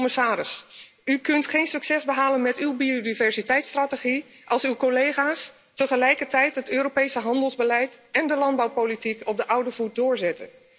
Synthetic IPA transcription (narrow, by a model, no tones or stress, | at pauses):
məsaːɾɪs | ykɵntχejnsɵksɛzbəɦaːlənmɛtywbiodivɛɹzitɛjtstrateχi | ʔɑlˠsywkolejχaːs | təχəlɛjkəɹtɛjtɦətøːɾopejsəɦɑndəlˠzbəlɛjtɛndəlɑnd̚bɑwpolitikɔp̚dəʔʌwdəvut̚dʊːɹzɛtə̰n